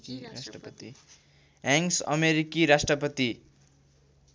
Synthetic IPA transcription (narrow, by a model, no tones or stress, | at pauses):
asʈrʌpʌt̪i | aŋsʌ̰meɾikiɾasʈrʌpʌt̪i